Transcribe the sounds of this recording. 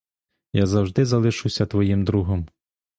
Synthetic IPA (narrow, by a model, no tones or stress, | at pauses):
jazɐwʒd̪ɪzɐlˠɪʃɨwsʲɐt̪ʋɔjimd̪ɾuɦɔm